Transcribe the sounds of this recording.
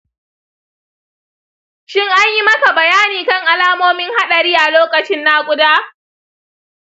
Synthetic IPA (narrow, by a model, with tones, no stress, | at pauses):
ʃɪ˦ŋʔa˦ɲji˦mɐ˦ka˨bɐ˨jaː˦niː˨kɐ˦˨ŋʔa˨laː˦moː˦mɪ˦ŋha˦ɗɐ˨ɽɪ˦jaː˨loː˦kɐ˨t͡ʃɪ˦nːaː˦kʷʼʊ˦daː˦